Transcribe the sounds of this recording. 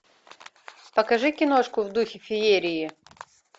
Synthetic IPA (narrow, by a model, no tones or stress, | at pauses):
pɐkɐʐɨkʲɪnoʂkʊvd̪uxʲɪfʲɪeɾʲɪjɪ